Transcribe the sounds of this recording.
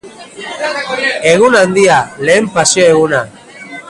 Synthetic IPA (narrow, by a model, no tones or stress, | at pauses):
e̞ɣunand̪iale̞ːmpasioe̞ɣuna